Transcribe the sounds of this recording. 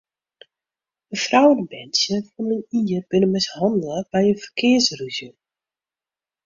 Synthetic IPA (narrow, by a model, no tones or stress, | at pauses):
əfrawənbɛnsjəfɔnəniːərb̥ɪnəmɪshɑndələbɛjənfərkʰɪərsryzjə